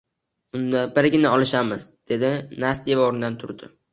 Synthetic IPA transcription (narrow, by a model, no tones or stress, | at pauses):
ʊnd̪abɪɾɡʲɪnɪɒlɪʃamɪzd̪̥e̞d̪ɪnast̪evɒɾɪnd̪ant̪ʰʊɾd̪ɪ̰